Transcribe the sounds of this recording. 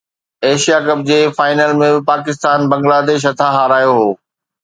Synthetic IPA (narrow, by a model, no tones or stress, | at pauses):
eːʃijakɐb̚d͡ʑeːfaːɪnəlmẽbɪpaːkɪst̪aːnbɐ̃ŋɡlaːd̪eːʃ̬ɦɐt̪ʰaɦaːɾaːjoɦoː